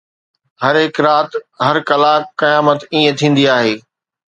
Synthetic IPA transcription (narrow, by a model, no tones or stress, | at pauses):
hɐɾɦɪkɾaːt̪ɦɐɾkɐlaːkːɐjaːmət̪iːẽt̪ʰĩːn̆d̪iaːɦeː